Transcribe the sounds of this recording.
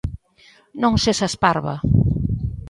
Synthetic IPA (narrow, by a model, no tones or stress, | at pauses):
nõŋsesaspaɾβa̰